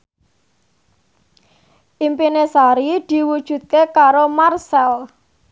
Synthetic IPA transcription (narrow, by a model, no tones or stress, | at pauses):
ʔimpinesaɾid̪̥i̤wud̥ʒ̥ṳt̪̚kekaɾomarsɛl